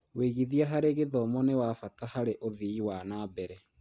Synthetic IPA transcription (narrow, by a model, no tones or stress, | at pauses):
weɣiðiaɦaɾeɣeðɔmɔnewafatahaɾeʔoðiiwanaːbɛɾɛ